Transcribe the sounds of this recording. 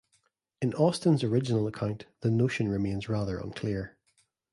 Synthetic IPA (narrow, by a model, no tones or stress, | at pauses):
ɪ̃nɔstə̃nzəɹɪd͡ʒɪnəl̩ˠəkʰãʊ̃nʔðənoʃə̃nɹɪmẽnzɹaðə˞ə̰̃nkʰl̥ˠiɹ